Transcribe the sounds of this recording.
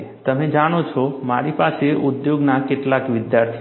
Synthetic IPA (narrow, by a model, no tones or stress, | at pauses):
t̪əmed͡ʒaɽ̃ot͡ʃʰɔmaɾipaseʔud̪joɡnakɪʈlakʋɪd̪jaɾt̪ʰ